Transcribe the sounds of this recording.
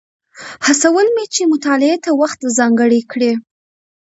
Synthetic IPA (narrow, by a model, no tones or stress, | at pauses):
hasawəlmet͡ʃemʊt̪ɑlɪet̪awaxt̪zɑŋɡəɽikɽe